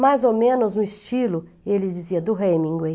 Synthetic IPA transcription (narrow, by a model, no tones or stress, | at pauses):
majzomẽnʊzũist͡ʃilʊ | elɪd͡ʒiziɐd̪ʊɦejmĩŋɡwej